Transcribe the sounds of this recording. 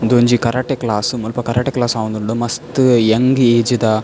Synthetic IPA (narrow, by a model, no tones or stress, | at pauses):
nd̪oːɲd͡ʒikɐɾaʈeklaːsmulpɐkɐɾaʈeklaːsaːʋund̪uɳɖumɐst̪ɨjeŋɡieːd͡ʒid̪a